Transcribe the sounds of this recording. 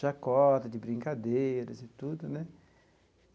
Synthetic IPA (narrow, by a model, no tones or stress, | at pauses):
akːɔt̪ad̪ibɾiŋkad̪eɾeset̪ːut̪ːonɛ